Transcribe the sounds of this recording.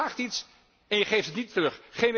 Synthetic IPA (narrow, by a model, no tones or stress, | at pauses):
aːχtits | ɛnjəχejftətnitərɵχχejn